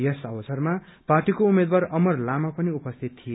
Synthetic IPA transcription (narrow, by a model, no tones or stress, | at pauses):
jesʌbʌsʌrma | parʈikoumed̪warʌmʌrlamapʌniupʌst̪ʰit̪ːʰije